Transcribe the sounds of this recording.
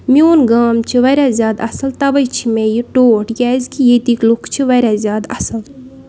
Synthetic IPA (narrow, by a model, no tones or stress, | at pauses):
mioːnɡaːmt͡ʃʰiʋɐɾʲazjaːd̪ɐsɐlt̪ɐʋɐjt͡ʃʰimejiʈoːʈjʲaːzkijet̪iklukʰt͡ʃʰiʋɐɾʲazʲjaːd̪ɐ̰sɐl